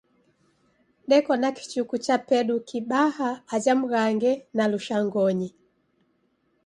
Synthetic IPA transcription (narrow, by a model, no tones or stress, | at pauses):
ɗɛkɔnaki̥t͡ʃukut͡ʃapɛɗukiɓahaːd͡ʒam̩ɣaŋɡɛnaluʃaŋɡɔɲi